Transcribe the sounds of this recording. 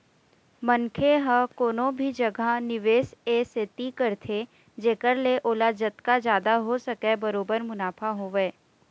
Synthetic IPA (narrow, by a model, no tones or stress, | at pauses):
mɐnkʰeɦəkoːnõbʱid͡ʒɐɡʱanɪʋeːseːset̪ikəɾt̪ʰe | d͡ʒeːkəɾleʔoːlad͡ʒət̪kad͡ʒjaːd̪aɦosɐkebɐɾoːbəɾmʊnaːfʰaɦoːʋeː